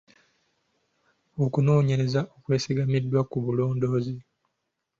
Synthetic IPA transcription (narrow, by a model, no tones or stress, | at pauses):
okunoːɲeɾe̞zaʔokwe̞ːsiɡamidːwakuβulo̞ːndo̞ːzi